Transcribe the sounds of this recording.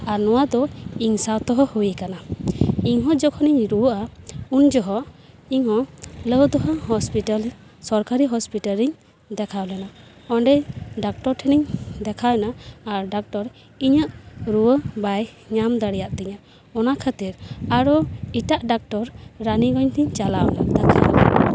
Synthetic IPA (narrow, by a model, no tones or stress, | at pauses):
aɾnɔwad̪ɔiŋsawt̪ɔɦɔhujikanaiŋɦɔ̃d͡ʒɔkʰɔniɲɾuwəʔaund͡ʒɔɦɔ | iŋɦɔ̃ləwd̪ɔɦɔɦɔspiʈal | sɔɾkaɾiɦɔspiʈaliɲ | d̪ɛkʰawlɛna | ɔɳɖɛɖak̚ʈɔɾʈʰɛniɲd̪ɛkʰawnaːɾɖak̚ʈɔɾ | iɲəʔɾuwəbaj | ɲamd̪aɽɛjaʔt̪ɛɲa | ɔnakʰat̪iɾaɾɔiʈaʔɖak̚ʈɔɾːaniɡɔɲt̪ʰiɲt͡ʃalawna̰ʔd̪akʰa̰